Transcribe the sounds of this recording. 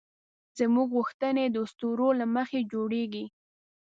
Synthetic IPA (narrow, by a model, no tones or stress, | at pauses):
z̥əmuɡɣuxt̪əned̪əst̪uɾolaməxed͡ʒoɽeɡi